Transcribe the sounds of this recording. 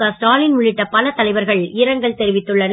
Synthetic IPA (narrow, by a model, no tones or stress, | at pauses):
asʈaːlɪnmʊɭɪʈːɐpɐlɐt̪ɐlɐɪʋɐɾɣɐɭɪɾɐŋɡɐɭt̪ɛɾɪʋɪt̪ːɯɭːɐn